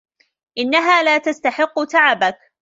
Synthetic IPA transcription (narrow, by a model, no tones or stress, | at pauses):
ʔɪnːaɦaːlaːt̪ast̪aħɪqːʊt̪aʕabak